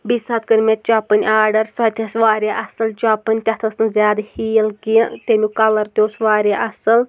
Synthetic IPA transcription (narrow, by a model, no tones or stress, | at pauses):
bisɐt̪̚kɨɾʲmet̪̚t͡ʃapɨnʲaːɖɐɾsɐt̪ʰʲɐsʋaːɾʲjaːʔɐsɨlt͡ʃapɨnʲt̪ʲɐht̪ʰɐsɨnzʲjaːd̪ɨhiːlɡiɐ̃ʔt̪ʲenʲukɐlɐɾt̪ʲoːsʋaːɾʲaːʔɐsɨl